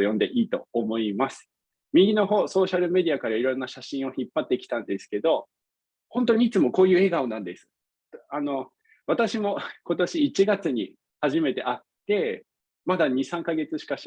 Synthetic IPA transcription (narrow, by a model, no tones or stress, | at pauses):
jõ̞nd̪e̞ʔiːt̪o̞ːmo̞imasɨ̥ | mʲiɡʲino̞ɦo̞ːso̞ːɕaɾɯ̟me̞d̪ʲiakaɾaiɾõ̞nːaɕaɕĩɰ̃o̞çipːat̪ːe̞kʲi̥t̪ãnd̪e̞sɨ̥ke̞d̪o̞ | hõ̞nt̪o̞ɲ̟iːt͡sɨmo̞ko̞ːjɯ̟ːe̞ɡao̞nãnd̪e̞sɨ̥ | ano̞ | βat̪aɕimo̞ko̞t̪o̞ɕiːt͡ɕiɡat͡sɨɲ̟i | haʑime̞t̪e̞ʔat̪ːe̞ | mad̪aɲ̟isãŋkaɡe̞t͡sɨɕi̥kaɕ